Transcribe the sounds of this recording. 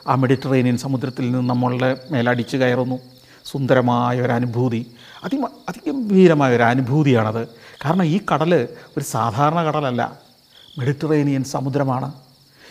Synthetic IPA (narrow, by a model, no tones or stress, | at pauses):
aːme̞ɽitːɐrejnijɐnsɐmud̪ɾɐt̪ːilninːɨnɐmːɐɭuɽeme̞ːlɐɽit͡ɕːukɐjɐrunːu | sund̪ɐɾɐmaːjɐo̞ɾɐnubʱuːði | ɐd̪imɐd̪ʱiɣɐmbʱiːɾɐmaːjɐo̞ɾɐnubʱuːðijaːɳɐðɨkaːɾɐɳɐmiːkɐɽɐlɨo̞ɾusaːd̪ʱaːɾɐɳɐkɐɽɐlɐlːɐ̰ | meɽitːɐrejnijɐnsɐmud̪ɾɐmaːɳɨ